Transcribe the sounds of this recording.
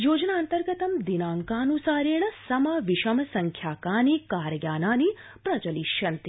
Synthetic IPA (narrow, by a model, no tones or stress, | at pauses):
joːd͡ʒnaːnt̪əɾɡət̪ɐmd̪inaːŋkaːnusaːɾiɳ̃sɐmɐʋɪʃɐmsɐŋkʰjaːkaːnikaːɾɡjaːnaːni | pɾɐt͡ʃɐliʃjɐnt̪i